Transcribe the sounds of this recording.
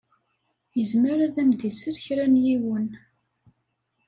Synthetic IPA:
jəzməɾæðæmd̪isəɾçɾænjiwən

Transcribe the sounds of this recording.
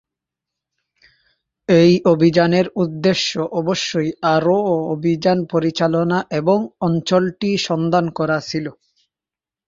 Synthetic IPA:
ejobʱid͡ʑaneɾud̪ːeʃːoʔɔboʃːojaɾoobʱid͡ʑanpoɾit͡ɕalonaʔeboŋɔnt͡ɕolʈiʃɔnd̪ankɔɾat͡ɕʰilo

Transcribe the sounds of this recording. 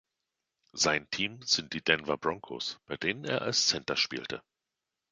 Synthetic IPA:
zaɪntʰiːmz̥ɪnt̚d̥iːd̥ɛnvabʁɔŋkʰo̰ːsb̥aɪdeːnəneːɐʔa̰lst͡sɛntɐʃpḭːltə

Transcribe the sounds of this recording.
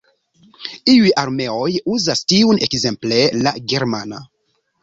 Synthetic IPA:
iujʔaɾme̞o̞juzastiunekze̞mple̞la̰ɡe̞ɾmana

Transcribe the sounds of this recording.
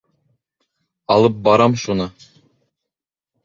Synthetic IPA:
ɒlˠɤp̚bɒɾɑmʃunɤ

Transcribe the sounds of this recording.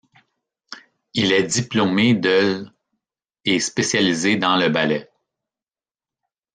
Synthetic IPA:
ilɛd̪iplomed̪ɛl | espesjalized̪ɑ̃ləbalɛ

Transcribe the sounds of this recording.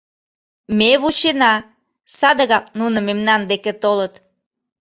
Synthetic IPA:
meβut͡ɕenɑ | sɑd̪əɣɑk̚nunə̆memnɑnd̪eket̪olət̪

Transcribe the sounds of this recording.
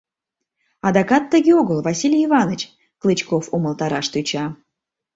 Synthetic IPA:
ɑd̪ɑkɑt̪ːəɡʲeoɡolˠvɑsʲilʲijivɑnət͡ɕ | klˠɨt͡ɕkofuməlˠt̪ɑɾɑʃt̪yt͡ɕɑ

